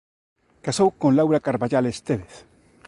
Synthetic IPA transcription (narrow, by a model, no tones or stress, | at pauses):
kasowkonlawɾakaɾβaʝalest̪eβeθ